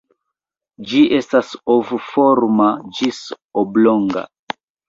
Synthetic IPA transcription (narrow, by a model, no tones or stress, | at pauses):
d͡ʒiʔestasovuformad͡ʒis | obloŋɡa̰